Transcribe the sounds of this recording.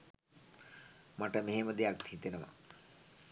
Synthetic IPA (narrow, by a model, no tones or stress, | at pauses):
maʈəmeɦeməd̪ejak̚t̪hit̪enəʋa̰